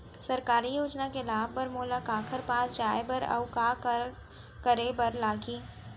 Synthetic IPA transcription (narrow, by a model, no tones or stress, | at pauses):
sɐɾkaːɾijoːd͡ʒnakelaːbːɐɾmoːləkaːkʰəɾpaːsd͡ʒaːjbəɾɐ̰ʋkaː | kəɾebɐɾlaːɡiː